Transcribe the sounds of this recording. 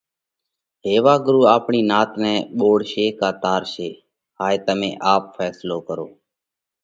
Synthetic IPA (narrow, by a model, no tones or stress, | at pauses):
ɦeːʋaːɡɾuːaːpɳiːnaːt̪nɛːɓoːɽʃeːkaːt̪aːɾʃeː | ɦaːt̪əmẽːʔaːpfʰɛːsloːkəɾo̰ː